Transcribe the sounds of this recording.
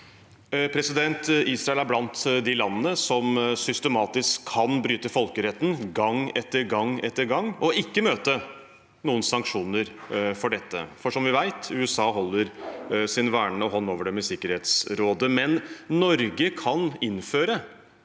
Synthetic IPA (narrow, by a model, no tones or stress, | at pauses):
pʰɾɛsɪd̪ɛnt̪iːsɾɑɛlæɾblɑnt̪d̪ɪlɑnːənəsɔmsʏst̪əmɑːt̪ɪskʰːɑnbɾyːt̪əfɔlkəɾɛt̪ːn̩ɡɑŋɛt̪ːəɾɡɑŋɛt̪ːəɾɡɑŋːɔɪkːəmøːt̪ə | nuːənsɑŋkʂuːnəɾfɔɖɛt̪ːə̰fɔʂɔmʋɪʋæɪt̪ʉːɛsɑːɦɔlːəɾsɪnʋæːɳəɔɦɔnːoːʋəɖɛmɛsɪkːəɾheːt̪sɾoːd̪əmɛnnɔɾɡəkʰɑnɪnføːɾə